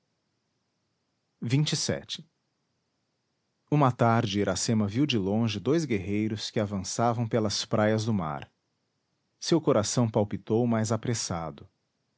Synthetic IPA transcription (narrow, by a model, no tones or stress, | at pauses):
vĩt͡ʃɪsɛ̰t͡ʃɪ̥ | ũmɐt̪aɾd͡ʒɪiɾasẽmɐviwd͡ʒɪlõʒɪd̪ojzɡeɦejɾʊskɪavɐ̃savɐ̃w̃pelɐspɾajɐzd̪ʊma̰ɾ | sewkoɾasɐ̃w̃pawpit̪owmajzapɾesad̪ʊ